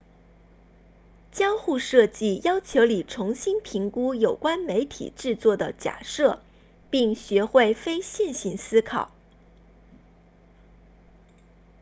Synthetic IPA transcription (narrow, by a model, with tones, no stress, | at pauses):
t͡ɕjɑ˥ŋxu˥˧ʂɤ˥˧t͡ɕi˥˩jɑ˥ʊt͡ɕʰjo˧˥ʊli˨˩ʈ͡ʂʰʊ˧˥ŋɕi˥npʰi˧˥ŋku˥jo˨˩ʊkwa˥nme˧˥ɪt̪ʰḭ˨˩ʈ͡ʂɻ̩˥˧t͡swɔ˥˩d̪ə˩t͡ɕja̰˨˩ʂɤ˥˩ | pi˥˩ŋɕɥɛ˧˥xwe˥˩ɪfe˥ɪɕɛ˥˩˧nɕi˥˩nsɹ̩˥kʰɑ˨˩˦ʊ